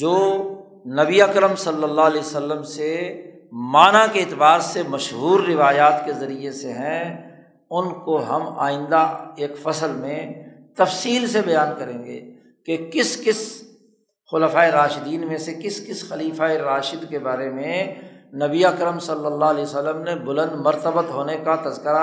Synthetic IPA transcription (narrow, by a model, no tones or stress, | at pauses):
d͡ʒoː | nɐbiəkɾəmsɐlːəlːaːɦlɛːsəlːəmse | maːnakeɪt̪ɪbaːɾsemɐʃɦuːɾːɪʋaːjaːt̪kezɐɾieseɦɛ̃ | ʊnkoɦɐma̰ːɪ̃nd̪aeːkfɐsəlmẽt̪ɐfsiːlsebɐjaːnkɐɾẽːŋɡḛː | kekɪskɪs | xʊləfaːeɾaːʃɪd̪iːnmẽsekɪskɪsxɐliːfaːeɾaːʃɪd̪kebaːɾemẽnɐbiəkɾəmsɐlːəlːaɦliːsəlːəmnebʊlə̃nd̪mɐɾt̪əbət̪ɦoːnekat̪ɐzkəɾa